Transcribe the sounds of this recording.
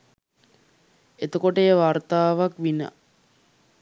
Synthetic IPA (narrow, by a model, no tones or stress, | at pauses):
et̪əkoʈəeʋart̪aːʋakʋinə̰